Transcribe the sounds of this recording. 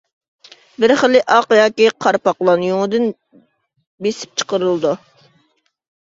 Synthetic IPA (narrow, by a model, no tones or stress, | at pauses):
bɪɾχəlˠːɪʔɑqjɑːkʲiqʰɑɾpɑqlˠɑnjoŋɨd̪ɨn | besɪ̥p̚t͡ʃʰə̥qəɾɨlˠɨd̪u